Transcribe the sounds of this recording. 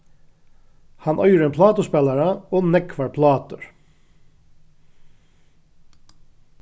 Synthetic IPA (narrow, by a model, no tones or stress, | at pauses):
hɑnʔœʏɾəmpʰlɑːt̪ʊspɛlɑɹəoːnɛkʰʋɑɹpʰlɑːt̪əɹ